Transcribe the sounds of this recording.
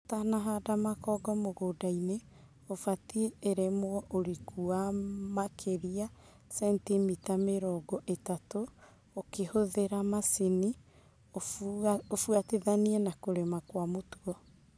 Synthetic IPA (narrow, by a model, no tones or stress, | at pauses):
tanaɦadamakɔɡɔmoɣoːdaine | ofatieeɾemoɔʔoɾikuamakʰeɾia | sɛntimitameɾɔːɡɔʔetato | okehoðeɾamasini | oofuateðaniɛnakoɾemakwamotuɔ